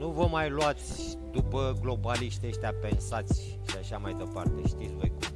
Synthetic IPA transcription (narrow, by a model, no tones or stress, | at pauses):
nuvəmajluat̪sʲ | d̪upəɡlo̞baliʃt̪eʃt̪ʲeape̞nsat̪sʲ | ʃiaʃamajd̪e̞part̪e̞ʃt̪it̪sʲvo̞̰jkum